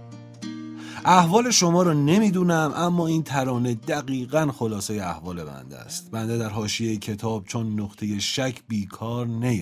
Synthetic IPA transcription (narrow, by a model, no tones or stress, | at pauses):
ʔæhvɒːle̞ʃo̞mɒːɾɒːne̞miːd̪uːnæmʔæmːɒːiːnt̪ʰæɾɒːne̞d̪æɡiːɣænxo̞lɒːsejeæhvɒːle̞bæ̰nd̪æ̰st̪̚bænd̪ed̪æɾɦɒːʃijejecʰe̞t̪ʰɒːb̥̚t͡ʃʰonːoχt̪ʰe̞je̞ʃæcʰbiːkʰɒːɾnæj